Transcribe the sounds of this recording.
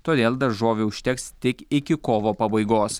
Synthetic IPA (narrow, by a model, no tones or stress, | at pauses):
t̪oːd̪ʲeːlˠd̪ɐɾʒoːʋʲɛʊʃʲt̪ʲɛkst̪ʲɪkɪkʲɪkoːʋoːpɐbɐɪɡoːs